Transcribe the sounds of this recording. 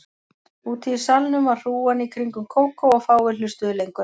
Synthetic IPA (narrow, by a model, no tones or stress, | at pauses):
uːt̪iɾ̥salnʏmvaɾ̥r̥uːanikʰɾiŋkʏmkʰoːwkowɔɣfaːwvɪlʏst̪ʏðʏlejŋkʏ